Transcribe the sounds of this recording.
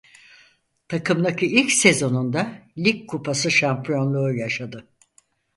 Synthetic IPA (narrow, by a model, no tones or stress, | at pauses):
t̪ʰakʰɯmd̪acʰiilʲcse̞zo̞nund̪alʲikkʰːupʰasɯʃampʰijo̞nlˠuːjaʃad̪ɯ